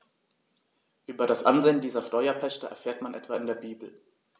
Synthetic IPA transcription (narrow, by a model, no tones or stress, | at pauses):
ʔyːbɐɾasʔa̰nzeːəndiːzɐʃtɔʏɐpʰɛʃtəʔɛ̰ɐfeːɐtmanʔɛ̰tv̥aɪndeːɐbiːbl̩